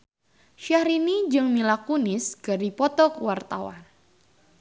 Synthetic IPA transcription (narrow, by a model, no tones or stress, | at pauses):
ʃahɾinid͡ʒɨŋmilakunɪsɡ̥aɾipɔt̪ɔkwart̪awa̰n